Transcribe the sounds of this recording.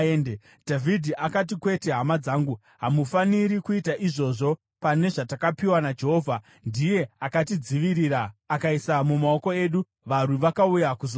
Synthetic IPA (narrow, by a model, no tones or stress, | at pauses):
ende | dʱavʱidʱiʔakat̬ikwe̞te̞ɦamad͡zaːŋɡu | ɦamufaniɾikuitaʔiʐo̞ʐo̞ | pane̞ʐatakapiwanad͡ʒe̞ɦo̞ːvʱa | ndije̞akatid͡ziʋiɾiːɾaːkaisamumao̞ko̞e̞ːɗu | ʋarwiʋakaujakuzo